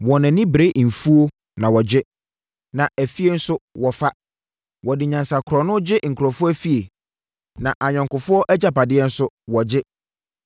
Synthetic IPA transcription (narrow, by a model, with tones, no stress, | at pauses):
wɔ˨nɪ̃˨nɪ̃˦bɾe˦˨m̩˨fu˦o˦ | nã˨wɔ˨d͡ʑɪ˦ | nã˨ʔæ˨fi˦e˦n̩˦sʊ˦wɔ˨fa˦ | wɔ˨dɪ˨ɲã˨nsa˨kʰɾɔ˨nʊ̃˦d͡ʑɪ˦ŋ̩˨kʰɾɔ˨fʊ˦æ˦fi˦e˨ | nã˨ʔa˨ɲᶣɔ̃˨ŋkʊ˨fʊ˦ɔ˦ʔɛ˦d͡ʑa˨pa˨dɪ˦ɛ˦n̩˦sʊ˦ | wɔ˨d͡ʑɪ˦